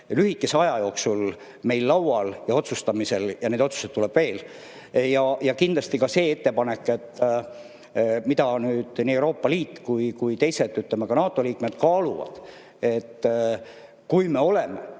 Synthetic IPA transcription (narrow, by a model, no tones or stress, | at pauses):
lyhikːˑe̞se̞ɑjɑjo̞ːksul | me̞jlːɑwwɑljɑo̞t̪sust̪ɑmise̞ljɑneːd̪o̞t̪su̥se̞t̪ːulɛb̥ve̞ːl | jɑjɑkind̪lɑst̪ikɑse̞ːe̞t̪ːe̞pɑnekːˑe̞t̪ː | mit̪ɑnyːd̪̥niːewɾo̞ːpːɑliːt̪ːkujkujt̪e̞jset̪ːˑyt̪ˑlemɑɡɑnɑːt̪ːˑo̞liːkme̞d̪̥kɑːluvɑ̰d̪̥ | e̞t̪ː | kujme̞o̞le̞me